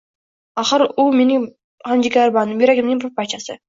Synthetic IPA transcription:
aχɨɾʊme̞nɪŋ | hamd͡ʒɪkʲaɾbanɪmbeɾakʲɪmnɪŋbʰʊpat͡ʃʰasɪ

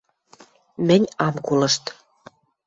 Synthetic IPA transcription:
mɘ̆nʲɑmkulɤ̆ʃt̪

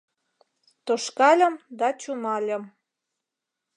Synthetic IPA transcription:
t̪oʃkɑlʲə̆md̪ɑt͡ɕumɑlʲə̆m

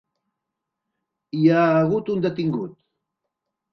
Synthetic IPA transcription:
jaːɡʊt̪ʊnd̪at̪ɪŋɡʊt̪

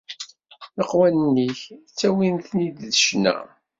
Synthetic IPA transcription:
əqwænənːiçt͡sːæwinθnid̪ðəʃnæ̰

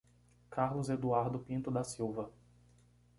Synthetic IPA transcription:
kʰaɾlʊzed̪uaɾd̪ʊpĩnt̪ʊd̪ɐsiwvɐ

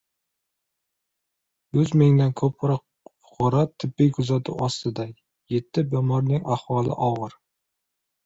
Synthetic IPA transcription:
jʊzmɪŋd̪ankʰɵpʰɾɒq | fʊ̥qʰɒɾat̪ʰːɪbːɪjkʰʊzat̪ʰʊ̰ʔɒst̪ɪd̪a | je̞t̪ʰːɪbemɒɾnɪŋahwɒlˠɪ̰ʔɒʁɨɾ

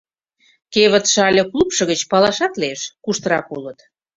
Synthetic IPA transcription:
keβət̪ʃɑlʲəklupʃɤ̆ɣət͡ɕpɑlɑʃɑt̪leʃkuʃt̪əɾɑkulət̪

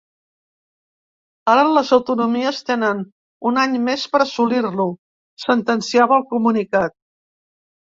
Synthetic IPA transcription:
aɾələzəwt̪unumiəst̪enən | unaɲmespəɾəsulirlu | sənt̪ənsiaβəːlˠkumunikat̪̚

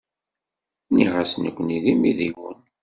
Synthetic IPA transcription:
niʁasnəkʷːniðimiðiwə̰n

